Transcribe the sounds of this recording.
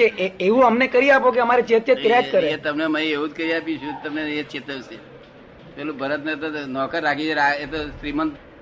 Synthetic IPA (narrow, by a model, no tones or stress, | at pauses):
eʔeeʋũəmnekəɾiapokeəmaɾit͡ʃet̪jet̪kɾad͡ʒkəɾeet̪əmneməieɦũd͡ʒkəɾiapjũt͡ʃʰũt̪əmneet͡ʃet̪əwse | pelũbʱəɾət̪net̪onɔkəɾːakit͡ʃʰeɾaet̪osɾimənt̪